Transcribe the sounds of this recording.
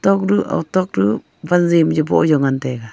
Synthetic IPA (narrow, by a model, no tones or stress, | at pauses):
t̪ɔk̚ɾuʔa̰t̪ɔk̚ɾu | banzimd͡ʒɔbɔ̰ʔjɔŋantɛɡa